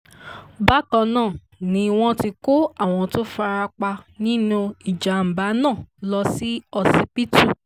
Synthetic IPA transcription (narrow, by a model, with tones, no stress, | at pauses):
ba˦kã˧nãː˦˨ | nĩ˧w̃ɔ̃˦ti˧ko˦a˦˨w̃ɔ̃˧to˦fa˧ɾa˧k͡pa˧nĩ˦nũ˦i˨d͡ʒa˨m̩˨ba˨˦nãː˦˨lɔ˧si˦ɔ˧si˧pi˦tu˦˨